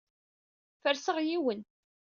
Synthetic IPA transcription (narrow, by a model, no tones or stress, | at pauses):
fəɾsəʁjiwən